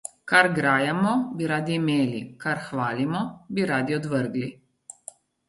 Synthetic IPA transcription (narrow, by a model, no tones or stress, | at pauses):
kaɾɡɾaːjɛmɔbiɾaːd̪iːmeːlikaɾxʋaːlimɔbiɾaːd̪iɔd̪ʋəɾɡli